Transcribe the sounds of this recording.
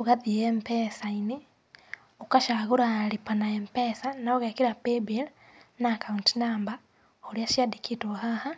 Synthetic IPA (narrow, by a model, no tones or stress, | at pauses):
uɣaðiempeːsaini | ukaʃaɣuɾalipanaempesanaoɣekiɾapebelnakauntinaːmba | oliaʃjadikʰitoɦaha